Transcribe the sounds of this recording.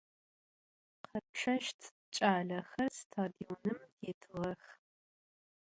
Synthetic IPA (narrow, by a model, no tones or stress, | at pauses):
qʰɐp̚ʂʰɐʃtʰ | t͡ʃʼaːɮɐxɐrstʰaːdionɨmdeːtʰɨʁɐx